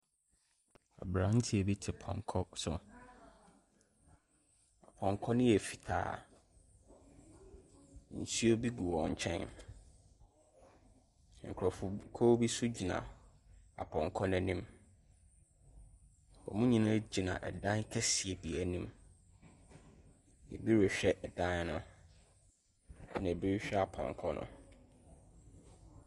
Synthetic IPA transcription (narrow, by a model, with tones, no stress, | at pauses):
a̰˨bɾã˨n̩˦tʰi˦e˨bi˦tʰɪ˨pʰɔ̰̃˨ŋkʰɔ˦sʊ̰˨ | a˨pʰɔ̃˨ŋ˨kʰɔ˦nɪ̃˦jɛ˨fi̥˨tʰa̰ː˨ | n̩˨sʰi˦o˦bi˦ɡu˨wɔ˨ɲ̩˨t͡ɕʰɛ̰̃˦n | ŋ̩˨kʰɾɔ˨fʊ˨kʰo˦bi˦sʊ˦d͡ʑi˨nã̰˨ | a̰˨pʰɔ̃˨ŋ˨kʰɔ˦n˨æ˨nĩ˦m | bɔ̰˨mʊ̃˦ɲĩ˦nʊ̃˦d͡ʑi˨nã̰˨ʔɛ̰˨dã˦n˦kʰɛ˦si˨e˨bi˨æ˨nĩ˦m | ɛ̰˨bi˦ɾɛ˨ɕᶣɛ˦ʔɛ˨dã˦nnʊ̃˦ | nɛ̃˨bi˦ɾɕᶣɛ˦a˨pʰɔ̰̃˨ŋ˨kʰɔ˦nʔʊ̰̃˨